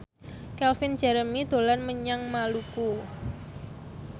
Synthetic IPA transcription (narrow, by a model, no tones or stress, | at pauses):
kɛlfɪn̥d͡ʒ̥ɛɾəmid̪̥o̤lanməɲaŋmaluku